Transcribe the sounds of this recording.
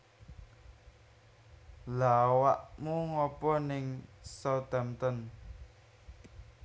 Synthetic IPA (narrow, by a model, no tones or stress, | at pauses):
lawaʔmuŋɔpɔnɪŋsɔt̪amt̪ɔn